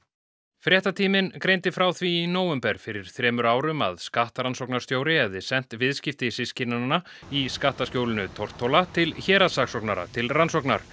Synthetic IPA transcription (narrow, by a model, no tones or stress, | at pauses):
fɾjɛht̪at̪ʰiːmɪnkɾejnt̪ɪfɾaːwθvinoːwɛmpɛɾ̥fɪɾɪɾ̥θɾɛːmʏɾaːwɾʏma̰ðskaht̪aɾansɔwknaɾ̥st̪joːwɾɪɛvðɪsɛn̥t̪vɪðscɪft̪ɪsɪscɪnanːa | iskaht̪ascjoːwlɪnʏt̪ʰɔr̥t̪ʰːowlat̪ʰɪlçɛːɾasaksɔknaɾa̰t̪ʰɪlransɔkna̰ɾ̥